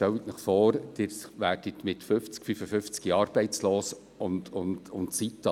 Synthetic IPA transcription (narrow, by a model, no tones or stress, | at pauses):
tɛwit̪nəχfɔːrd̥̪ɪːɾʋæːrd̥it̪mɪt̪føft͡skfyfəfʏft͡skiɑːɾb̥ɛɪt͡sloːs | ʊndʊntʊntsitːɑ